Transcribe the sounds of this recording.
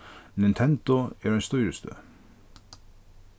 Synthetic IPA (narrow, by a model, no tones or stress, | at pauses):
nɪnt̪ʰɛnd̪ʊɛɾɛnst̪ɔjɾəst̪ø̰ː